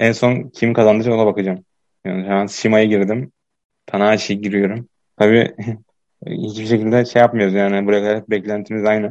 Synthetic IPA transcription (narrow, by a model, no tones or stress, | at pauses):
ɛnso̞ncʰimkʰazand̪ɯd͡ʒaonabakɯd͡ʒam | januʃaansimajɯɟiɾd̪im | t̪ʰanaːʃijiɟiɾijo̞ɾum | t̪ʰabiː | hit͡ʃbiʃecilʲd̪ɛʃejap̚mɯjo̞ɾuzjaːnɪbuɾajkʰaɾɛt̪̚bɛclʲænt̪ʰinizajnɛ